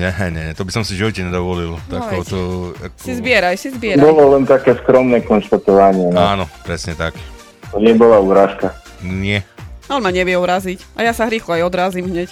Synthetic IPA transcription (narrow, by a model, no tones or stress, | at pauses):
ɲɛɦɛɲɛɲɛt̪ɔbisɔmsiʒiʋɔcɛɲɛd̪ɔʋɔlilt̪akɔʊt̪ɔsizbɪɛɾajsizbɪɛɾbabɔlɔlɛnt̪akɛːskɾɔmnɛkɔnʃt̪at̪ɔʋaɲɪɛnɔaːnɔpɾɛsɲɛt̪ak | t̪ɔɲɪɛbɔlauːɾaːʃka | ɲɪɛalɛmaɲɛʋɪjɛuɾazicʔajasaɦɾiːxlɔajɔd̪ɾaːziːmɦɲɛc